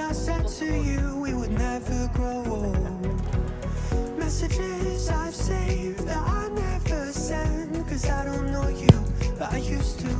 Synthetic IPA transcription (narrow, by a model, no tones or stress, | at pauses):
aɪsɛd̚tʰɨjʉwiwədⁿnɛvə˞ɡoʊ | mɛsɨd͡ʒɪzaɪv̥seɪvðɨɾaɪnɛvə˞sɛ̃nkʰʌzaɪɾõʊ̃nːoʊjɨa̰ɪjʉstʰɨ